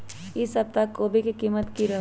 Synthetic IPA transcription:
ɪsɐb̚t̪akːoːbʱikikiːmət̪kiɾɐ

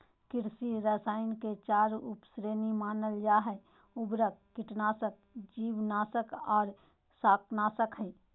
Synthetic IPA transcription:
kɪɾsiɾəsaːɪnket͡ʃaːɾupsɾeːnimaːnəld͡ʒaːɦɛ | ʊbɾək̚ːɪʈnaːsək̚ | d͡ʒiːʋnaːsəkɔːɾ | saːknaːsəkɦəi

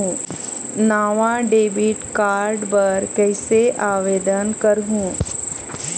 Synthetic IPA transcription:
ũ | naːʋãɖeːbɪʈkaːɾɖpɐɾkɛːseʔaːʋeːd̪ənkɐɾɦũː

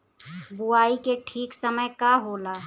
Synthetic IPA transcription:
buaːikeʈʰiːksəməjkaɦolaː

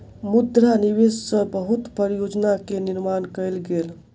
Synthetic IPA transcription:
mud̪ɾaniʋessə̃bəɦut̪pəɾjod͡ʒnakeniɾmankəjlɡel

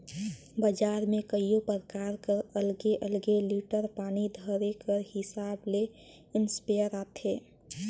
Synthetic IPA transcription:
bəd͡ʒaɾmẽkəijopɾəkaɾkəɾəlɡeʔəlɡeliʈəɾpaːnid̪ʱəɾekəɾhɪsable | ɪnspejəɾat̪ʰe

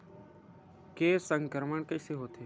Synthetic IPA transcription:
keːsə̃ŋɡəɾməɳkəːseːɦoːt̪ʰeː

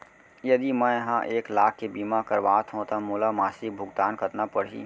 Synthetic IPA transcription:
jɐd̪imɛ̃ɦãʔeːklaːkʰːebiːmakəɾʋaːt̪ʰɦõt̪amuːlamaːsɪk̚bʱʊɡt̪aːnkət̪napəɽ̤ɦḭː

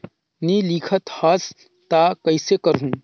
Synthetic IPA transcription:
niːlikʰət̪has | t̪aːkɐɪsekəɾɦũː

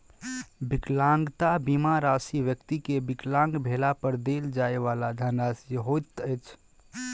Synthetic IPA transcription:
biklaŋɡt̪abimaɾasiʋjəkt̪ikebiklãŋɡbʱelapəɾd̪eld͡ʒaeʋalad̪ʱənɾasjəɦot̪əjt͡ʃʰ

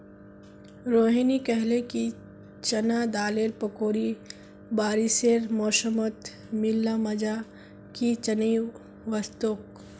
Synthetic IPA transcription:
ɾoːɦinikɛɦleki | t͡ʃɐnad̪aːleːɾpɐkoːɾi | baːɾiseːɾmoːʃəmət̪ | mɪlːamɐd͡ʒa | kit͡ʃɐni | ʋɐst̪ok

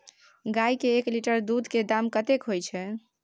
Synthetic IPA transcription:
ɡajkeːkliʈəɾd̪ud̪ʱked̪amkət̪ekɦojt͡ʃʰɛ

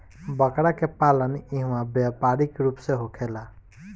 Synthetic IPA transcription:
bʌkɽakepaləniɦũwãbjapaɾikɾupseɦokʰela

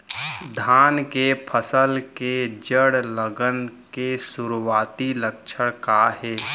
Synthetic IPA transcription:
d̪ʱaːnkepʰəsəlked͡ʒəɽləɡənkesuɾuwaːt̪iləkʃʰəɽkaɦɛː

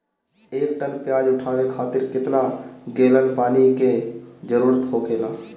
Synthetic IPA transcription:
eːk̚ʈənpjaːd͡ʒʊʈʰaːʋekʰaːt̪ɪɾkɪt̪naɡeːlənpaːniked͡ʒəɾuːɾət̪ɦokeːlaː

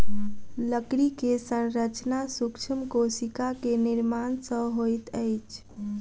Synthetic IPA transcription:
ləkɾikesənɾət͡ʃnasukt͡ʃʰəmkosikakeniɾmansə̃ɦojt̪əjt͡ʃʰ

